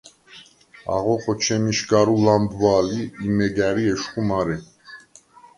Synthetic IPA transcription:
a̰ʁɔqʰʼɔt͡ʃʰɛmiʃɡaɾulambvaːliːmɛɡæɾiɛʃχumaɾɛ

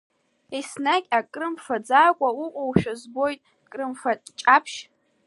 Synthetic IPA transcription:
esnakʲʼakʼrɨmfad͡zaːkʷʼauqʷʼowʃᶣazbo̞jtʼ | kʼrɨmfatʼt͡ʃʼapʰʃ

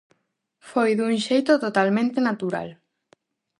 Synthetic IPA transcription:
fojðuŋʃejt̪ot̪ot̪almẽnt̪enat̪uɾa̰l

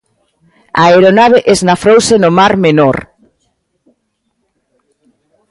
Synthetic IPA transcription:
aeɾonaβ̞eʔeznafɾowsenomaɾmenoɾ

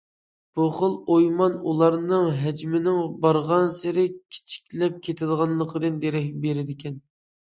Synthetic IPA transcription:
b̥uχəlˠojmɑnulˠɑɾnɨŋɦæd͡ʒmɪnɪŋbɑɾʁɑnsɪɾɪkʲʰi̥t͡ʃʰi̥kʲlɛp̚kʲʰet̪ʰɪd̪əʁɑnlˠəqʰəd̪ɨnd̪eɾɛhʲbeɾɪd̪ɪkʲʰɛn

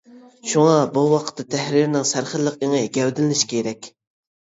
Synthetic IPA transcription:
ʃuŋɑbuwɑqʰə̥t̪ʰːɑt̪ʰɛhɾiɾɪnɪŋsæɾχəɾlːəqeŋeɡʲɛwd̪ɪlɪnɪʃi̥kʲʰeɾɛkʲ

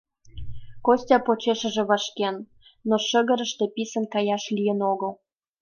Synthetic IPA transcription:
kosʲtʲɑpot͡ɕeʃə̆ʒĕβɑʃkenː | oʃə̆ɣə̆ɾə̆ʃt̪e̽pisə̆nkɑjɑʃlijə̆noɣəl

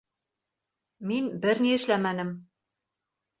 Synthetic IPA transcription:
minbɘɾniɘ̆ʃlæmænɘm

